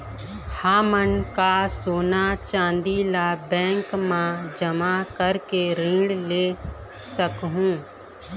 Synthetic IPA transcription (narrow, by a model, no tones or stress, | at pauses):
haːmənkasoːnat͡ʃãːnd̪ilabɛ̃ːŋkmãd͡ʒəmakəɾkeɾĩːɽleː | səkɦũː